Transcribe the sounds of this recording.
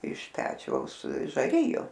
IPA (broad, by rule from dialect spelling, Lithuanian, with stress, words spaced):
ɪʃ ˈpʲæːt͡ʃʲɛʊs ʒɐˈrʲɪjʊ